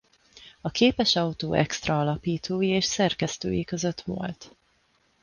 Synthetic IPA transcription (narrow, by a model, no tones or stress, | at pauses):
ɒkeːpɛʃɒut̪o̰ːʔɛ̰kst̪rɒɒlɒpiːt̪ʰoːjieːʃsɛrkɛst̪ø̰ːjikø̞zø̞t̪ʋo̰lt̪